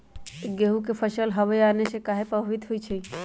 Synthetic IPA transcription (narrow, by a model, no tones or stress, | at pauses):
ɡeɦukepʰəʃəlɦɐʋjaːnesekaːɦepəbʱʋɪt̪ɦʊit͡ʃʰi